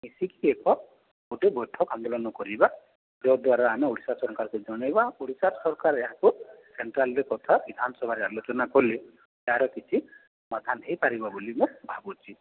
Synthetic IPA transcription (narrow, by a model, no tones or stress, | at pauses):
misikiekɔ | oʈebɔjʈʰːɔkand̪ɔlɔnɔkɔɾiba | d͡ʒɔd̪waɾaamioɽisasɔɾkaɾked͡ʒɔɽ̃ajbaoɽisaɾsɔɾkaɾeɦãkuseɳʈɾalɾekɔt̪ʰabid̪ʱanɔsɔbʱaɾealot͡ʃɔnakɔle | eaɾɔkit͡ʃʰi | mad̪ʱanɦejpaɾibabulimũbʱabut͡ʃʰi